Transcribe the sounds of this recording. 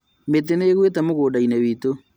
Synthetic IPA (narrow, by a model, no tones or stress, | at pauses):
meteneɣwetamoɣoːdainɛβiːto